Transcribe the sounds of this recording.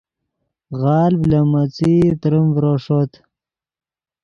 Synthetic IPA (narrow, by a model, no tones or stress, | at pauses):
ɣɑːlblamat͡sit̪ɾəmvɾoʂot̪